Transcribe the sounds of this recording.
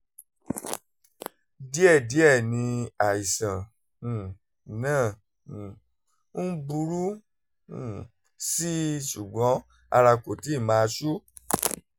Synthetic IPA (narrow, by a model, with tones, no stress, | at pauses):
di˦ɛ˦˨di˨˦ɛ˦˨nĩ˧a˨i˨sã˨ | nãː˦˨ | n̩˦bu˧˦ɾũ˦˨ | si˦ʃu˨ɡ͡bɔ̃˨˦ | a̰˧ɾa˧ko˨ti˨˦˨mãː˦˧˦su˦